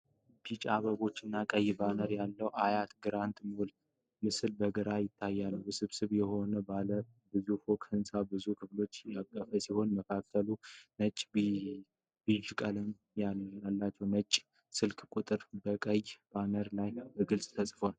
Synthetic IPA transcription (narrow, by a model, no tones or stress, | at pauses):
b̥it͡ʃʼaβəβo̞t͡ʃːɪnːakʼəjːbanəɾjalːəwʔajat̪ɡɨɾant̪mul | mɨsɨlbəɡəɾajɪt̪ʰːajːalːəwjsɨβsɨβjɛho̞nəbalə | bɨzufokʰhɨnsabɨzukʰɨflo̞t͡ʃːjakʼːəfəsiho̞nməkʰak̚t̪ʰəlunət͡ʃʼːb | b̥ɨʒukʼələm | jaalːat͡ʃːɛwnət͡ʃʼ | sɨlkʰʼkʷʼut̪ʼɨɾbəkʼəjb̥anəɾlajbəɡɨlsʼt̪ʰəsʼfwal